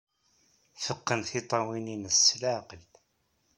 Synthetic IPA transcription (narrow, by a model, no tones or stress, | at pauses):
fəqːənθit̪ˤɑwininəsːlaqəl